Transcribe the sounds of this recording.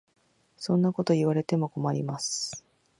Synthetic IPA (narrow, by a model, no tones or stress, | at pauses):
sõ̞nːako̞t̪o̞iβaɾe̞t̪e̞mo̞ko̞maɾʲimasɨ̥